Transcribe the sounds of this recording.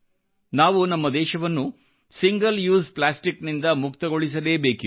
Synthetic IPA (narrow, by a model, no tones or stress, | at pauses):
naːʋunɐmːɐd̪ɛːʃɐʋɐnːu | siŋɡɐljuːsplaːsʈiknind̪ɐmukt̪ɐɡo̞ɭis̬ɐleːbeːki